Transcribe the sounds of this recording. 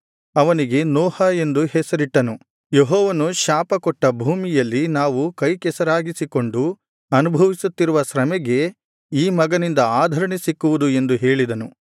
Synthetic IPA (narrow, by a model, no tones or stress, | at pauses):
ɐʋɐniɡe̞nɔːhɐe̞nd̪uhɛsɐɾiʈːɐnu | jeɦɔːʋɐnuʃaːpɐkɔʈːɐbʱuːmijɐlːinaːʋukɐjkɛsɐɾaːɡisiko̞ɳɖu | ɐnubʱɐʋisut̪ːiɾuʋɐsɾɐmɛɡe̞ | iːmɐɡɐnind̪ɐaːd̪ʱɐɾɐɳesikːuʋud̪ue̞nd̪uɦe̞ːɭid̪ɐnu